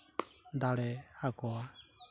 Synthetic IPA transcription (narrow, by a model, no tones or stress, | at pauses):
nd̪alɛakɔa